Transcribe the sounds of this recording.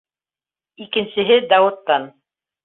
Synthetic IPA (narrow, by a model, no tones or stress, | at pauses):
ikɘ̆nsɘ̆ɦɘd̪ɑwɤ̆t̪ːɑn